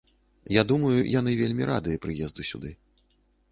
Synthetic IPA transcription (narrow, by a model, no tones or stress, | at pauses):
jad̪umɐjṵjanɨvʲelʲmʲiɾʔa̰d̪ɨjɐpɾɨjɛzd̪usʲṵd̪ɨ